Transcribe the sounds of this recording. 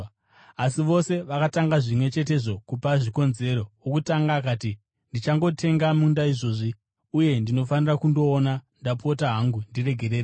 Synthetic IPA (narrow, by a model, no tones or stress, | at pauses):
asiʋo̞se̞ʋakataŋɡaʐimwe̞t͡ʃe̞te̞ʐo̞kupaʐiko̞nze̞ɾo̞wokutaŋɡaːkaːti | ndit͡ʃaŋɡo̞tʰe̞ŋɡamundaiʐo̞ːʐi | uje̞ndino̞fanirakundo̞ːnandapo̞taɦaŋɡundire̞ɡʱe̞ɾe̞ːre